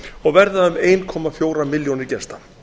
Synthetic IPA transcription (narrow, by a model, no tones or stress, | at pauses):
ɔɣvɛɾðaʏmeːjnkʰɔːmafjoːwɾamɪljownɪɾcɛst̪ḁ